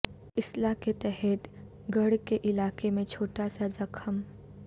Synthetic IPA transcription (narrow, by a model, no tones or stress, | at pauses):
ɪslaket̪ɛɦɛt̪ | ɡɐɽkeʔɪlaːkemẽt͡ʃʰoːʈasazɐkʰəm